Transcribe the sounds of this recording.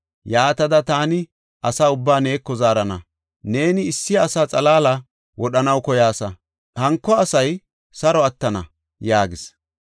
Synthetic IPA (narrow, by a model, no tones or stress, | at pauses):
jaːt̪ɐd̪ɐt̪aːnɪ | ʔɐsaːʊbːaːne̞ːkːɔzaːɾɐnɐ̰ | ne̞ːnɪːsːɪjːsaːt͡sʼɐlaːlɐ | wɔɗɐnɐwkɔjaːsɐ | hɐŋkːɔɐsɐj | sɐɾɔɐt̪ːɐnɐ | jaːɡɪs